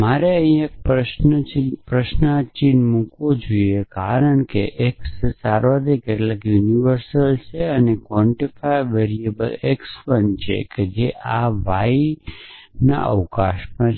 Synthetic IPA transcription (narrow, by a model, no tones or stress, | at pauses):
maɾeə̃ĩek̚pɾəʃnət͡ʃipɾəʃnət͡ʃinmũkʋod͡ʒojekaɾəɳkeʔekssaɾʋad̪ʱikeʈlakjuniʋəɾsəlt͡ʃʰeənekʋɔ̃ɳʈifaiʋeɾiebəleksfənt͡ʃʰḛked͡ʒeʔaʋai | na̰ʔə̰ʋkaʃpə̃